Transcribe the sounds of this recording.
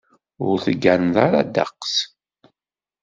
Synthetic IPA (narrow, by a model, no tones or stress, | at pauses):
ʊɾθəɡːænðaɾad̪a̰qs